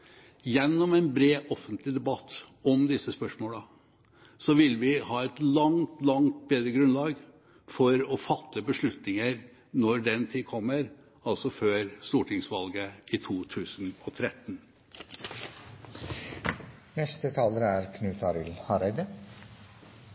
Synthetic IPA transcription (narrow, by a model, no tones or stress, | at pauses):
jɛnːɔmɛnbɾeːʔɔfənt̪ʰlɪd̪ɛbɑt̪ːɔmd̪ɪsəspœʂmoːlə | sɔʋɪlʋɪhɑːɛt̪lɑŋt̪lɑŋt̪̚beːd̪ɾəɡɾʉnlɑːɡ | fɔɾɔfɑt̪ʰːəbəʂɭʉt̪nɪŋəɾ | nɔɖɛnt̪ʰɪkʰɔmːəɾ | ɑlsɔføːɾst̪uːʈʰɪŋsʋɑlɡəɪt̪ʰuːt̪ʰʉːsn̩ɔt̪ʰɾɛt̪ːn | nɛst̪ət̪ʰɑːləɾæɾkʰnʉːt̪ʰɑɾɪlhɑɾæɪd̪ə